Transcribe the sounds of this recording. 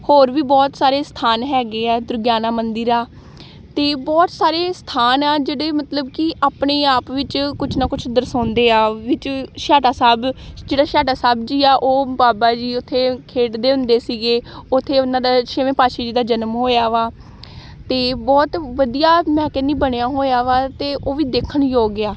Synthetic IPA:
hoːɾʋiːbɔːt̪saːɾeːst̪ʰaːnɦɛːɡeːɛːd̪ʊɾɡjaːnãːmənd̪ɪɾaː | t̪eːbɔːt̪saːɾeːst̪ʰaːnaːd͡ʒeːɽeːmət̪ləbkɪaːpneːaːpʋɪt͡ʃkʊt͡ʃʰnãːkʊt͡ʃʰʊd̪əɾsãːnd̪eːaːʋɪt͡ʃʃaːʈaːsaːbd͡ʒeːɽaːʃaːʈaːsaːbd͡ʒiːaːʔoːbaːbaːd͡ʒiːʊt̪ʰːeːkʰeːʈd̪eːʊ̃nd̪eːsiːɡeːʊt̪ʰːeːʊnãːd̪aːt͡ʃʰeːʋẽːpaːʃeːd͡ʒiːd̪aːd͡ʒənmɦoːjaːʋaː | t̪eːbɔːt̪ʋəd̪ijaːmɛ̃ːkenĩːbəɳejaːɦoːjaːʋaːt̪eːʔoːʋiːd̪eːkʰəɳjoːɡɪaː

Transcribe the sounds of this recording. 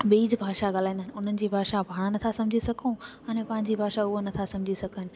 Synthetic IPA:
ɓiːd͡ʑbʱaːʃaɠaːlãːnd̪aɦɪnɪʊn̤ənɪ̆d͡ʑiːbʱaːʃabʱaːɽ̃anɐt̪ʰasɐ̃md͡ʑʱisɐkʰõaːnẽpɐ̃ɦɪ̃ɲd͡ʑibʱaːʃaʊɦonɐt̪ʰasɐ̃md͡ʑʱisɐkənɪ̆

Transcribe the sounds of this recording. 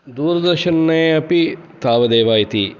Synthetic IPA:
d̪uːɾɐd̪ɐɾʃɐnːeːɐpit̪aːʋɐd̪eːʋaːjit̪ḭ

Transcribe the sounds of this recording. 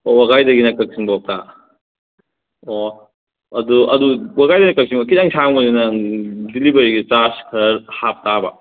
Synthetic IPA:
owaɡajdɐɡinɐkɐk̚siŋbaɔk̚ta | o | ɐduɐduwaɡajdɐinɐkɐk̚siŋbɐkidaŋsʰaŋmɐzinɐdilibɐɾiɡit͡ʃaskʰɐɾɐɾhap̚tabɐ

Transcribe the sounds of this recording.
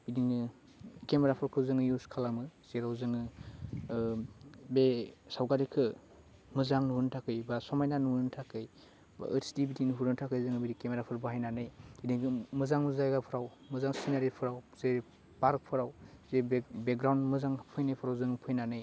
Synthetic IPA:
bidinɯ | kemeɾapʰɯɾkʰɯzɯŋɯjuskʰalamɯz̥eɾawzɯŋɯ | besawɡaɾikʰɯ | mɯzaŋnuɦuntʰakɯjbasɔmajnanuɯntʰakɯj | ba̰ːsdibitinɦuɾɯntʰakʰɯjzɯŋɯbiɾikemeɾapʰɯɾbaɦajnanɯjidiɡɯmɯzaŋmɯzajɡapʰɯɾawmɯzaŋsinaɾipʰɯɾawze | paɾk̚pʰɯɾawzebek̚ɡɾawndmɯzaŋpʰɯjnajpʰɯɾawzɯŋɯpʰɯjnanɯj

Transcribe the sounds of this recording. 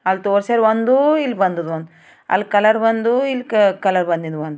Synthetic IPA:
ɐlt̪oːɾsɐɾʋond̪uilːbɐnd̪ud̪ʋond̪u | ɐ̰lːkɐlɐɾbɐnd̪uilːkkɐlɐɾbɐnd̪ind̪uʋond̪u

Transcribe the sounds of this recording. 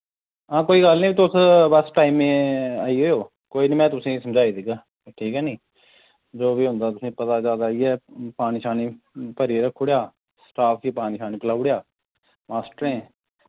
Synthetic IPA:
ãːkoːiːɡəlniːbiːt̪ʊsbəsʈaːiːmẽːaːiːɦoːjoː | koːiːniːmɛ̃ːt̪ʊsĩːsəmd͡ʒaːiːd̪iɡaː | ʈʰiːkɛːnĩː | d͡ʒoːbiːɦʊ̃nd̪aːt̪ʊsĩːpət̪aːd͡ʒjaːd̪aːiːɛːpaːniːʃaːniː | pəɾiɾəkʰːoɽjaː | sʈaːpʰkiːpaːniːʃʰaːniːpəlaːʊɽejaː | maːsʈəɾẽː

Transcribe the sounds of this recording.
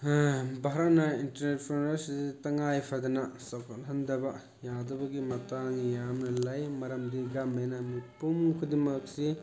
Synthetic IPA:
bʱaɾɐt̚nɐintɐɾnet̚pʰunasidtɐŋajpʰadɐnɐsɐpkʰatɦɐndɐbɐ | jadɐbɐɡimɐtaŋjamnɐlajmɐɾɐmdiɡamajnɐmipumkʰudimɐk̚si

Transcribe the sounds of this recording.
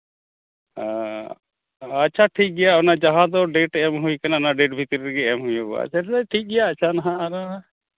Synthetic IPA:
a | ətːt͡ʃʰaʈʰik̚ɡɛjaɔnad͡ʒaɦãd̪ɔɖeʈɛɛmɦuikananaɖeʈ̚bʱit̪ɾiɾɡɛɛmɦujobɔ̰a̰t͡ʃʰaʈʰik̚ɡɛjaːtːt͡ʃʰanaɦãna

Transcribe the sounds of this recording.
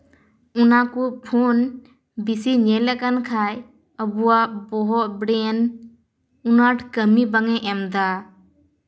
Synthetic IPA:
unakupʰun | bisiɲelɛkənkʰaj | əbuabɔɦɔbɽen | unaʈʰkəmibəŋɛʔɛmd̪a

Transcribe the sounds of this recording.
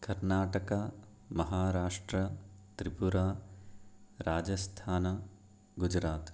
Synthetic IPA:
kɐɾnaːʈɐka | mɐɦaːɾaːʂʈɾɐt̪ɾipuɾaː | ɾaːd͡ʒɐst̪ʰaːnɐ | ɡud͡ʒɾaːt̪

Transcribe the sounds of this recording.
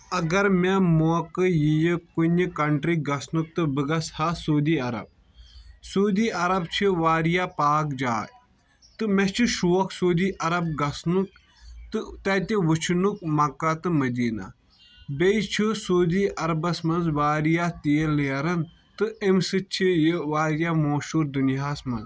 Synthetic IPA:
ɐɡɐɾmemoːkɨjijikunikɐɳʈɾiɡɐsnuk̚t̪ɨbɨɡɐshasoːd̪iːɐɾɐ̰b̚ | soːd̪iːɐɾɐb̚t͡ʃʰiʋaːɾijapaːkd͡ʒa̰ːj | t̪ɨmet͡ʃʰiʃuːɐksoːd̪iːʔɐɾɐb̚ɡɐsnuk̚ | t̪ɨt̪ɐt̪ʲiʋut͡ʃʰnuk̚mɐkat̪ɨmɐd̪iːna̰ | bet͡ʃʰisoːd̪iːʔɐɾɐbɐsmɐnzʋaːɾijat̪eːleɾɐn | t̪ɨemsɨt͡ʃʰijiʋaːɾjaːmoːʃuːɾd̪unijaːsmɐnz

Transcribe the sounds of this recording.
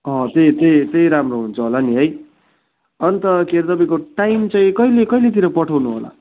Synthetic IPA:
ʌ̃t̪et̪ejt̪ejɾamroɦunt͡sʰuɦolaniɦʌj | ʌnit̪ʌkeɾt̪ʌpaĩkoʈajmt͡sʌ̃ĩkʌilekʌjlet̪iɾʌpʌʈʰawnuɦo̰la̰

